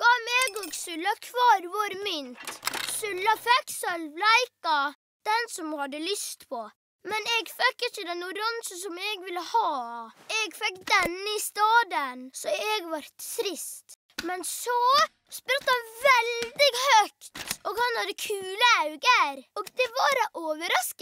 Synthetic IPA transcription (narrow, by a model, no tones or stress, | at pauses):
ɡ̥ɑmɛːɡɔɡsʉlːɑkʰʋɑːɾʋɔɾmʏnt̪sʉlːɑfɛkːsœlʋlæɪkɑ | d̪̥ɛnsɔmhɑd̪ːəlʏst̪pʰɔ | mɛnɛɡfɛkːɪçəd̪ɛnʊɾɑnʃəsɔmɛɡʋɪləhɑːɛɡfɛkːd̪ɛnːɪst̪ɑːd̪ənsɔɛɡʋɑɾt̪t̪ɾɪst̪ | mɛnsɔ | spʉt̪ːəhɑnʋɛld̪ɪɡhœkt̪ɔɡhɑnhɑd̪əkʰʉːləaʉɡəɾɔɡd̪ɛʋɑɾʔoːʋəɾɑskə